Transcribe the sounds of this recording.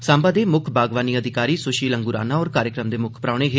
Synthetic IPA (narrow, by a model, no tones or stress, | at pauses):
saːmbaːd̪eːmʊkʰbaːɡʋaːniːəd̪ʱɪkaːɾiːsʊʃiːləŋɡʊɾa̰ːnaːɔːɾkaːɾjəkɾəmd̪eːmʊkʰpɾaːɳeːɦe